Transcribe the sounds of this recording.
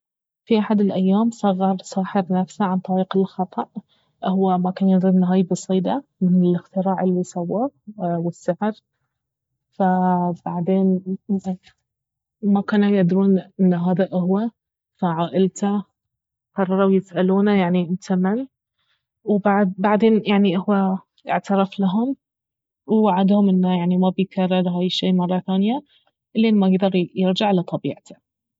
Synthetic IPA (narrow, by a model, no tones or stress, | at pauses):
fiʔaħad̪ɪlʔajːaːmsˤɑɣːɑɾˤsaːħɪɾnafsaʕant̪ˤɑɾiːqɪlxɑt̪ˤɑʔ | ʔhwːamakanjɪd̪ɾʔɪnːɦaːjbɑsˤiːd̪amɪnɪlɪxt̪ɪɾaːʕɪlːisawːawɪsːaʕɾ | fab̥aʕd̪eːn | makaːnajaʔd̪ɾuːnʔɪnːɦaːðaʔʊhwa | faʕaːʔɪlt̪a | qɑrˤːɑɾˤawjɪsʔaluːnajaʕniʔɪmt̪ʰamɪn | wbbaʕd̪eːnjaʕniʔɪhwa | ʔɪ̰ʕt̪ɑɾˤɑflaɦʊm | waʕad̪hʊmʔɪnːajaʕnimabɪjkɑrˤːɑɾˤɦaːjʃːiːmɑrˤːɑθaːnja | ʔɪlːiʔɪnmajɪɡd̪ɑɾˤjɪɾd͡ʒaʕlat̪ˤɑbḭːʕt̪ʰḁ